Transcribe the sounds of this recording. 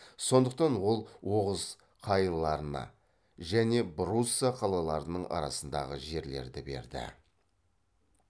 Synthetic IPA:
so̞nd̪əq̚t̪ɑnwo̞lˠwo̞ʁəz̥ | qʰɑjəlˠɑɾənɑ̰ | ʒæne̞bɾusːɑqʰɑlˠɑlˠɑɾənəɴɑ̰ɾɑ̰sənd̪ɑ̰ʁəʒe̞ɾle̞̰ɾd̪ɪbe̞̰ɾd̪ɪ̰

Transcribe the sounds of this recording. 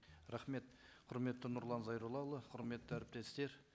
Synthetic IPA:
ɾɑχme̞t̪qʰʊɾme̞t̪ːɪnʊɾlˠɑnzɑjɾulˠɑlˠəqʰʊɾme̞t̪ːəæɾɪp̚t̪e̞st̪e̞ɾ

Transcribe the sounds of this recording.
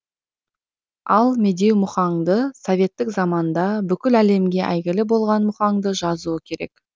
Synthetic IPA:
ɑlˠme̞d̪e̞wmʊχɑɴd̪əsovʲe̞t̪ːɪkzɑmɑnd̪ɑbʏkʲɪlæle̞mɡʲe̞ʔæjɡʲɪlɪbo̞lˠʁɑnmʊχɑɴd̪əʒɑzuəkʲʰe̞ɾe̞̰k

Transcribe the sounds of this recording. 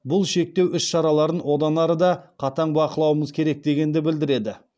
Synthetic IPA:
bʊlˠʃe̞k̚t̪e̞wʔʏsʃɑɾɑlˠɑɾənwo̞d̪ɑnɑɾəd̪ɑqʰɑt̪ɑɴbɑqəlˠɑwəməzkʲʰe̞ɾe̞k̚d̪e̞ɡʲe̞nd̪ɪbɪld̪ɪɾe̞d̪ɪ

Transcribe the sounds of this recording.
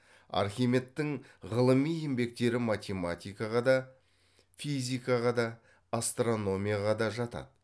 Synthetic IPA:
ɑ̰ɾχʲime̞t̪ːɪŋʁəlˠəmije̞mbe̞k̚t̪e̞ɾɪmat̪ʲe̞mat̪ʲijkɑʁɑd̪ɑ | fizʲijkaʁɑd̪ɑː | st̪ro̞no̞mʲijaʁɑd̪ɑʒɑt̪ɑ̰d̪

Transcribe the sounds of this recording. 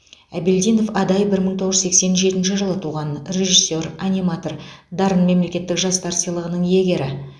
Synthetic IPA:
æbeld̪ijno̞fɑd̪ɑjəbɪɾməɴt̪ʰo̞ʁʒzse̞kse̞nʒe̞t̪ɪnʃɪʒəlˠət̪ʰuʁɑnre̞ʒisːo̞ranʲimat̪o̞rd̪ɑɾənme̞mle̞kʲe̞t̪ːɪkʒɑsp̪ʰɑɾsijalˠəʁənəɴje̞ɡʲe̞ɾɪ

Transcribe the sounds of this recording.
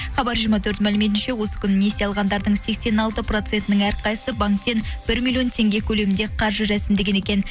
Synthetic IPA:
χɑbɑɾʒiɾmɑt̪ʰɵɾt̪mælɪme̞t̪̬ɪnʃe̞wo̞sə̥kʲʰʏnne̞seɑlˠʁɑnd̪ɑɾd̪əɴse̞kse̞nɑlˠt̪əpro̞t̪se̞nt̪ɪnɪŋæɾqʰɑjəsəbɑŋkt̪e̞nb̥ɪɾmʲilʲˠjo̞nt̪ʰe̞ŋɡʲe̞kʲʰɵle̞mɪnd̪eqʰɑɾʒəɾæsɪmd̪e̞ɡʲe̞ne̞kʲe̞n

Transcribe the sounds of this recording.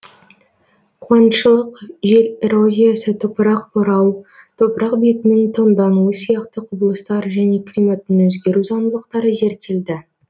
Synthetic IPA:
qʰwɑnʃəlˠəqʒe̞lʲeɾozʲijasət̪ʰopəɾɑq̚bʊɾɑw | t̪ʰopɾɑqbet̪ɪnɪŋt̪ʰənd̪ɑnuəsijɑqt̪əqʰʊbəlˠəst̪ɑɾʒæne̞kʰʲlʲimat̪ːɪnɵzɡʲe̞ɾuzɑnd̪əlˠəq̚t̪ɑɾəze̞ɾt̪e̞ld̪ɪ

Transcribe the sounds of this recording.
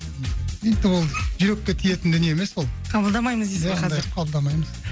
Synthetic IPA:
et̪ɪwo̞lˠəʒʏɾe̞kʲːe̞t̪ʰije̞t̪ɪnd̪ʏneeme̞swo̞lˠqʰɑbəlˠd̪ɑmɑjməzd̪ezɑɑjqʰɑbəlˠd̪ɑmɑjməz

